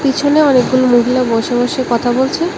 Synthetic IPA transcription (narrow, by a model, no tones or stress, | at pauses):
pit͡ɕʰoneɔnek̚ɡulomuɦilabɔʃobɔʃekɔt̪ʰabolt͡ɕʰe